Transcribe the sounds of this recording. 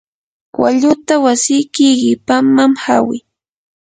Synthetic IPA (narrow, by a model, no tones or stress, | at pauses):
wa̰ʎʊt̪awasɪjkɪɢɪpamːamha̰wɪ̰